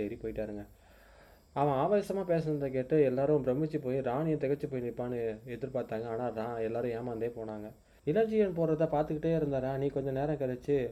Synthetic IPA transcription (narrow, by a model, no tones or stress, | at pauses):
ɛɾipoːjɪʈːaːɾɯŋɡɐ | ɐʋɐ̃aːʋɐjɐsɐmaːpeːsnɐnd̪ɐk̬eːʈːɯɛlːaːɾʊ̃bɾɐmɪt͡ʃːɯpoːjiɾaːnɪjɐ̃t̪ɛɣɐt͡ʃːɯpoːjɪnɪpːaːnɯɛðɯɾɯpaːɾt̪aːŋɡɐaːnaːnãːɛlːaːɾɯ̃eːmaːnd̪eːpoːnaːŋɡɐ | ɪlɐd͡ʒɪjɐnpoːɾɾɐt̪ːãːpaːɾt̪ɯkːɪʈːeːɪɾɯnd̪aːɾaːnĩːkɔɲd͡ʒɐ̃neːɾɐ̃kɪɽɛt͡ʃːɯ